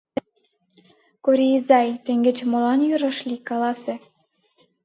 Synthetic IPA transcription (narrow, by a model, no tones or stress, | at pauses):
koɾʲiizɑjt̪ĕŋɡĕt͡ɕmolɑnjyɾɑʃlʲikɑlɑsĕ